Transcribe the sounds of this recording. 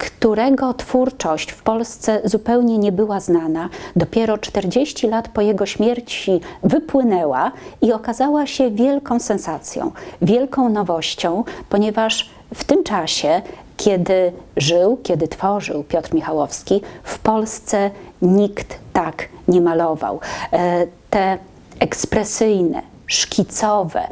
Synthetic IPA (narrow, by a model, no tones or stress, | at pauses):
kt̪uɾɛɡɔt̪fuɾt͡ʂɔɕt͡ɕfpɔlst̪sɛzupɛwɲɛɲɛbɘwaznanad̪ɔpʲjɛɾɔt͡ʂt̪ɛɾd͡ʑeɕt͡ɕilat̪pɔjɛɡɔɕmʲjɛɾt͡ɕivɘpwɘnɛwaiɔkazawaɕɛvʲjɛlkɔ̃w̃sɛnsat̪sʲjɔ̰̃w̃vʲjɛlkɔ̃w̃nɔvɔɕt͡ɕɔ̃w̃pɔɲɛvaʂ | ft̪ɘmt͡ʂaɕɛ | kʲʰjɛd̪ɘʐɘwkʲɛd̪ɘt̪fɔʐɘ̰wpʲjɔt̪ɾmʲixawɔfskʲifpɔlst̪sɛɲikt̪ːakɲɛmalɔva̰w | t̪ɛ | ɛkspɾɛsɘjnɛ̰ | ʂkʲʰit̪sɔvɛ̰